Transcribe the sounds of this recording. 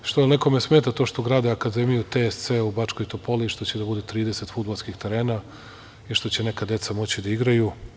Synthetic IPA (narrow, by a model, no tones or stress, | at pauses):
ʃt̪oneko̞mesmeːt̪at̪o̞ːʃt̪oɡɾaːd̪eakad̪emijut̪est̪seubat͡ʃko̞jt̪opo̞liʃt̪o̞t͡ɕed̪abud̪et̪ɾiːd̪ese̞t̪fud̪balˠskixt̪eɾe̞ːna | iʃt̪o̞t͡ɕene̞kad̪e̞t̪samo̞t͡ɕid̪aiɡɾaju